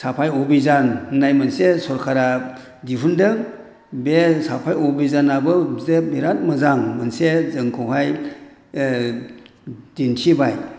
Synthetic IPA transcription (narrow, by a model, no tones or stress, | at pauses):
sapʰajɔbizannajmɯnsesɔɾkʰaɾa | diɦundɯŋ | besapʰajɔbizanabɯzemiɾat̚mɯzaŋmɯnsezɯŋkʰuwɦaj | d̥intʰibaj